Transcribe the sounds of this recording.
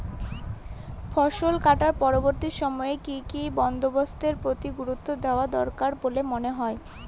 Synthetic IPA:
fɔʃolkaʈaɾpɔɾoboɾt̪iʃɔmɔekikibɔnd̪obost̪eɾpɾot̪iɡuɾut̪ːod̪eoad̪ɔɾkaɾbolemoneɦɔe

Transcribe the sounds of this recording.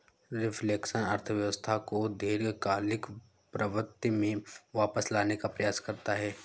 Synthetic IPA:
ɾɪfleːkʃənɐɾt̪ʰəʋjəʋəst̪ʰakod̪ʱeːɾkaːlɪk | pɾəʋəɾt̪imẽʋaːpəslaːnekapɾəjaːskɐɾt̪aɦɛː

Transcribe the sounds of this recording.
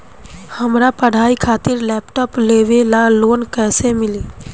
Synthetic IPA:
həmɾapəɽ̤aːikʰaːt̪ɪɾlɛːpʈɔːpleːʋelaloːnkɛːsemɪliː

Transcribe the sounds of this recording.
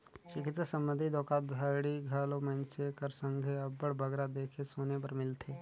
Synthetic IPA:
ʃɪkɪt̪səsə̃mbə̃nd̪ʱid̪ɔːkaːd̪ʱaɽiɡʱaːlomənsekəɾsə̃ŋɡʱeɐbəɽbʱɐɡɾad̪eːkʰesoːnep̬ɐɾmɪlt̪ʰeː

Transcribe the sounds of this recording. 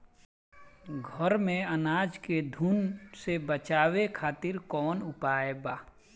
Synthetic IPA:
ɡʱəɾmẽənaːd͡ʒked̪ʱuːnsebət͡ʃaːwekʰaːt̪ɪɾkɔːnʊpaːebaː

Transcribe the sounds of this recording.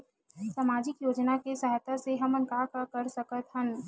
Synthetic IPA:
samaːd͡ʒɪkjoːd͡ʒnakesɐɦɛt̪əseɦɐmɐ̃nkaːkkɐɾsɐkət̪ɦən

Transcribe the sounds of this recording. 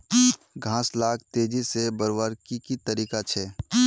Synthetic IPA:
ɡʱãːslaːk̚t̪eːd͡ʒisebəɾwəɾkikit̪əɾiːkat͡ʃʰɛː

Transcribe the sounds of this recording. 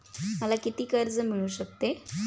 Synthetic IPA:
məlakit̪iːkəɾd͡zəm̤iɭuːɕək̚t̪e

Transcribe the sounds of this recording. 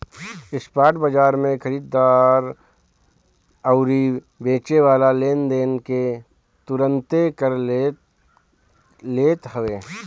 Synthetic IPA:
ɪspaːʈbəd͡ʒaːɾmẽkʰəɾiːd̪ːaːɾ | əʊɾi | bẽːt͡ʃeʋaːlaleːnd̪eːnke | t̪ʊɾə̃nt̪ekəɾ | leːt̪ɦəʋeː

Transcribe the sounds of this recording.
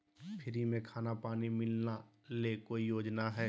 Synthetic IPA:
pʰɪɾimẽkʰaːnapaːnimɪlna | lekoːijoːd͡ʒnaɦɛː

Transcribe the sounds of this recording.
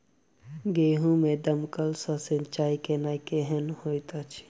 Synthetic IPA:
ɡeːɦũmẽd̪əmkəlsasənt͡ʃaːikenajkeɦenhoːjt̪at͡ʃʰ

